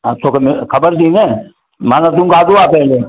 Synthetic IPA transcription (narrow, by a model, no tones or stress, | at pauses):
at̪ʰoːkemekʰɐbəɾt̪ĩːneː | maːnat̪ũːkʰaːd̪oaːpɛɦleː